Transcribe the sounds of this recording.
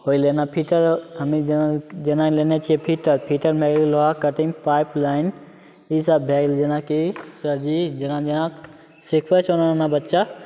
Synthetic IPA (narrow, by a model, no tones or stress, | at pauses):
hoilenapʰiʈəɾɦəmid͡ʒnad͡ʒenalenet͡ʃʰiɛpʰiʈəɾpʰiʈəɾbʱeɡlloɦakəʈiŋpaːjplaːɪn | isabʱɛɡld͡ʒənakisəɾd͡ʒid͡ʒənãd͡ʒəna | sikʰʋət͡ʃʰonanabətːʃa